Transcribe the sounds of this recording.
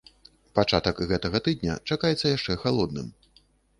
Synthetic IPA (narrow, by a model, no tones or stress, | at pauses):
pat͡ʂat̪ɐkɣɛt̪ɐɣɐt̪ɨd̪̚nʲɐ̰t͡ʂakajɛt̪sːɐjaʂt͡ʂɛxalˠɔd̪̚nɨm